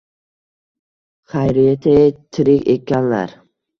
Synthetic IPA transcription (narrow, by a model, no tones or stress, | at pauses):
χajɾɪjat̪ʰɪt̪ʰɪɾɪkʲekʲʰːanla̰ɾ